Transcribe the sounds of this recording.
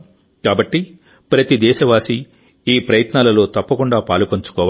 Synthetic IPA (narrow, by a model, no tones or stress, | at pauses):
kaːbɐʈːi | pɾɐt̪id̪ɛːʃɐʋaːsi | iːpɾɐjɐt̪naːlɐlo̞ːt̪ɐpːɐkuɳɖaːpaːlupɐɲt͡ʃu̥kɔːʋ